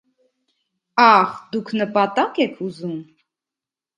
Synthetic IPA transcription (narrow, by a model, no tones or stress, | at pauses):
ɑχd̪ukʰnəpɑt̪ɑkɛkʰuzum